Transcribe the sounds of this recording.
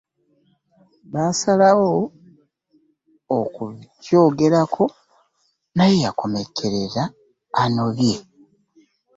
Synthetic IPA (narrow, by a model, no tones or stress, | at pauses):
βasalawo | kuco̞ːɡe̞ɾakʰo̞ | najejako̞me̞kʰe̞ɾe̞ɾaː | no̞βje̞